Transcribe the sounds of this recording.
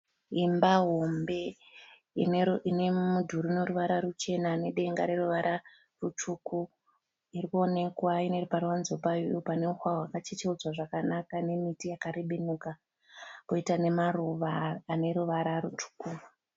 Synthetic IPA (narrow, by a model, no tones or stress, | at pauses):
imbaɦo̞mbe̞ | ininemudʱuɾuino̞ɾuʋaɾaɾut͡ʃe̞nane̞ɗe̞ŋɡaɾe̞ruʋaɾa | rut͡ʃuku | irikuo̞ne̞kwaineruparwanzopajujupane̞uxwawakat͡ʃit͡ʃeud͡zwaʐakanakane̞mitijakaɾeɓenuka | poitane̞maruʋaːne̞ɾuʋaɾarut͡ʃu̥ku